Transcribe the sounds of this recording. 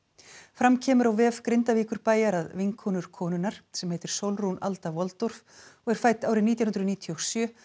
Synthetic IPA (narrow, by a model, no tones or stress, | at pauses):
fɾamcʰɛːmʏɾawvɛːvkɾɪnt̪aviːkʏɾpaːjaɾaðvɪŋkʰɔnʏɾ̥kʰɔːnʏnaɾ̥sɛmheːjt̪ɪɾ̥sowlruna̰lt̪avɔlt̪ɔɾ̥v | ɔɣɛɾ̥faːjt̪aːwɾɪnit̪janʏnɾʏðniːt̪ʰiɔsjœː